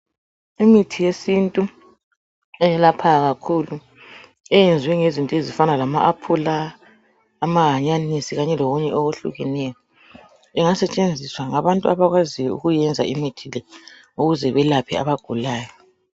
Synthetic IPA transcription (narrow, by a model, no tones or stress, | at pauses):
imitʰijesintʼu | ɛjɛlapʰaɣakʰulu | ɛjend͡zʱwɛŋezintʼezifanalamaʔapʰulaː | maɦaɲanisiɣaɲɛloɣuɲɛʔoɣuɬṵɣɛnɛjɔ | ɛŋasɛt͡ʃʼend͡zʱiswaŋaβantʼuaβaɣwaziwɛṵɣujɛnd͡zʱa̰imitʰilɛ | uɣuzɛβɛlapʰḭa̰βaɡ̥ʱulaːjɔ